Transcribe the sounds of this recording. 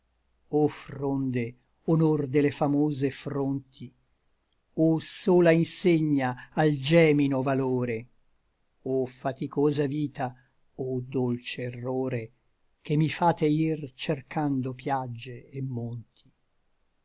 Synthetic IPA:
ofɾond̪e | onord̪elefamoːzefɾont̪ʰi | osoːlainseɲːaald͡ʒɛːminovaloːɾe | ofat̪ikoːzaviːt̪a | od̪olt͡ʃeːrːoːɾe | kemːifaːt̪eirt͡ʃerkand̪opjad͡ʒːeːmːont̪ʰi̥

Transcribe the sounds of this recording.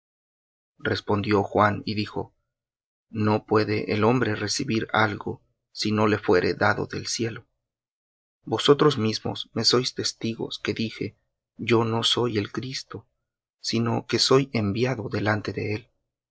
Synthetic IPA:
re̞spo̞nd̪jo̞xwaniðixo̞̰ | no̞pwe̞ðeʔːlo̞mbɾe̞re̞siβiɾa̰lɣo̞̰ | sino̞le̞fwe̞ɾʔe̞̰ðaðo̞̰ðe̞̰lsje̞lo | bo̞so̞t̪ɾo̞zmizmo̞̰sme̞so̞jst̪e̞st̪iɣo̞̰ske̞ðixe̞̰ | ɟ͡ʝo̞no̞so̞je̞lkɾist̪o̞ | sino̞ke̞so̞je̞mbjaðo̞ðe̞lant̪e̞ðe̞̰el

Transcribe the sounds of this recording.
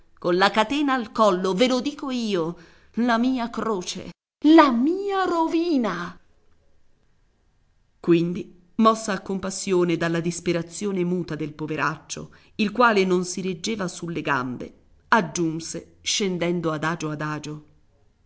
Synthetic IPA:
konlakat̪ɛːnaːlkɔlːovelod̪iːkoiːo | lamiːakɾoːt͡ʃḛ | lamiːaɾoviːna | kwind̪i | mɔsːaːkːompasːjoːned̪alːad̪ispeɾat̪sːjoːnemuːt̪ad̪elpoveɾʔat͡ʃːo̰ | ilkwaːlenonsiɾed͡ʒːeːvasulːeɡa̰mbḛ | ad͡ʒːunse | ʃend̪ɛnd̪oad̪aːd͡ʒoad̪aːd͡ʒo

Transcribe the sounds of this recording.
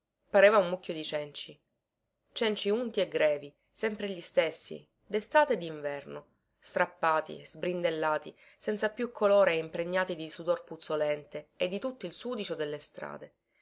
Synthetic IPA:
paɾeːvaunmːukʲːjod̪it͡ʃɛnt͡ʃi | t͡ʃɛnt͡ʃiunt̪ieɡɾɛːvi | sɛmpɾeʎist̪esːḭ | d̪est̪aːt̪ed̪ːiɱvɛrno | st̪ɾapːaːt̪ḭzbɾind̪elːaːt̪i | sɛnt̪sapjukʰːoloːɾeimpɾeɲːaːt̪id̪isud̪orput̪solɛnt̪eːd̪ːit̪ut̪ːoilsuːd̪it͡ʃod̪elːest̪ɾa̰ːd̪e

